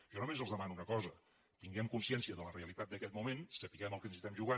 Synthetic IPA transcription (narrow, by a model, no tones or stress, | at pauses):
ʒ̥ɔnumezəlˠzðəmanunəkɔzə | t̪iŋɡɛmkunsiɛnsiəðələreəlit̪at̪̚d̪əkɛt̪̚mumensəpiɣɛməlˠkənzist̪ɛmʒuɣa